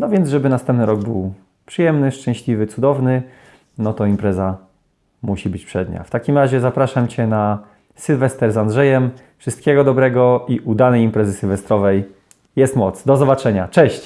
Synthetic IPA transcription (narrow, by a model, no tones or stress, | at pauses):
nɔvʲjɛnd̪zʐɛbɘnast̪ɛ̃mpnɘɾɔɡ̚bɘw | pʂɘjɛmnɘʂt͡ʂɛ̃ɕlʲivɘt̪sud̪ɔvnɘ | nɔt̪ɔimpɾɛza | muɕibɘt͡ɕpʂɛd̪ɲa̰ft̪akʲimɾaʑɛzapɾaʂamt͡ɕɛna | sɨlvɛst̪ɛɾzandʐɛjɛm | fʂɘst̪̚kʲɛɡɔd̪ɔbɾɛɡɔiʔud̪anɛjimpɾɛzɘsʲɨlvɛst̪ɾɔvɛj | jɛst̪mɔt̪sd̪ɔzɔbat͡ʂɛɲat͡ʂɛɕt͡ɕ